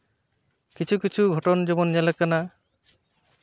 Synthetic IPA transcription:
kit͡ʃʰukit͡ʃʰuɡʱɔʈɔnd͡ʒɔbɔnjalakana

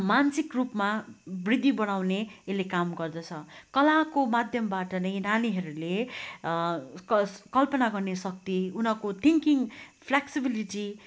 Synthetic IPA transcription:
mansikrupmabrid̪ʱːibʌɽ̃awneelːekamɡʌrd̪ʌt͡sʰʌkʌlakomad̪ʱjʌmbaʈʌnʌj̃naniɦʌɾule | ʌkʌlpʌnaɡʌrnesʌk̚t̪iunʌkot̪ʰiŋkiŋpʰleksibiliʈi

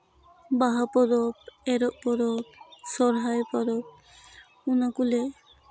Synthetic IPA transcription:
baɦapɔɾɔpɛɾɔʔpɔɾɔp̚sɔɾɦajpɔɾɔp̚ | unakule

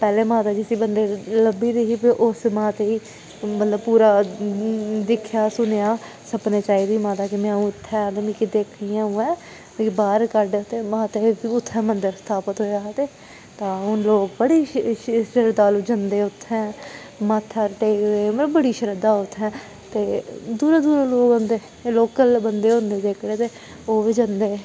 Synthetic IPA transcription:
pɛːleːmãːt̪aːd͡ʒɪsiːbənd̪eːləbiːɾiɦiːpiʔʊsmãːt̪eːiː | mət̪ləb̚puːɾaː | d̪ɪkʰjaːsʊnejaː | səpneːt͡ʃaːiːd̪iːmãːt̪aːkɪmɛ̃ːũːɪt̪ʰːɛ̃ːt̪emĩːkɪd̪eːkʰiːãːũːɛ̃ː | baːɾkəɾɖt̪eːmãːt̪ebiːʊt̪ʰːɛ̃ːmənd̪əɾst̪ʰaːpət̪ɦoːjaːt̪eː | t̪ãːɦʊnloːkbəɽiːʃʃəɾəd̪aːlud͡ʒənd̪eːʊt̪ʰːɛ̃ː | maːt̪ʰːaɾʈeːkd̪eːməəbbəɽiːʃəɾəd̪aːʊt̪ʰːɛ̃ː | t̪eːd̪uːɾaːd̪uːɾaːloːɡənd̪eː | loːkəlbənd̪eːɦʊ̃nd̪eːd̪eːkʰɽeːt̪eː | oːʋiːd͡ʒənd̪eː

